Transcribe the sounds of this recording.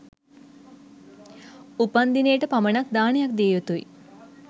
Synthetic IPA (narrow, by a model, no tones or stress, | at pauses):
upand̪ineːʈəpamənak̚d̪aːnejak̚d̪eːʋət̪uḭ